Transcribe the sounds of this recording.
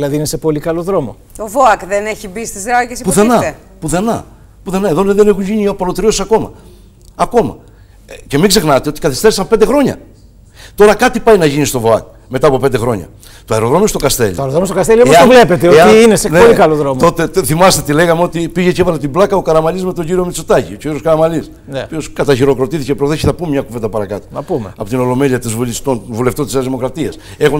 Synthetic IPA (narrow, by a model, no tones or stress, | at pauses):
lɐðiinese̞po̞likɐloðɾo̞mo | t̪ovoakðeneçibist̪izɾɐʝespuθenɐ | puθe̞nɐ | puθe̞nɐeðo̞neðene̞xuɲʝiɲiopɐlot̪iɾio̞sisɐko̞mɐ̰ː | ko̞mɐ̰ | ce̞miɡze̞xnɐt̪eo̞t̪ikɐθist̪e̞ɾisɐmpe̞nd̪e̞xɾo̞ɲɐ̰ | t̪o̞ɾɐkɐt̪ipɐjnɐʝinist̪o̞vo̞ɐ̰k̚ | met̪ɐːpo̞pend̪exɾo̞̰ɲɐ̰ | t̪oɐeɾo̞ðɾo̞most̪okɐst̪e̞̰lḭoɐɾoðɾomost̪okɐst̪elioosɐovlepet̪eoeiineseneolikɐloðɾomt̪o̞t̪eθimɐst̪e̞t̪ile̞ɣɐmeo̞t̪ipiʝe̞ceevɐlet̪iblɐkɐokɐɾɐmɐlizme̞t̪o̞ɲɟiɾio̞mit͡sot̪ɐciooioskɐɾɐmɐlis | nopioskɐt̪ɐçiɾo̞kɾo̞t̪iθicepɾoθesçiθɐpumemɲɐkuvend̪ɐpɐɾɐkɐt̪o̥nɐpumeɐpo̞t̪ino̞lo̞me̞liɐt̪izvulist̪ovule̞ft̪ot̪isɐðimo̞kɾɐt̪iɐs | exo